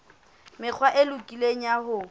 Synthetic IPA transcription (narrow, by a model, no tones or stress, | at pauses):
mɪk͡xʰwaʔelʊkʼileɲ̩jahʊ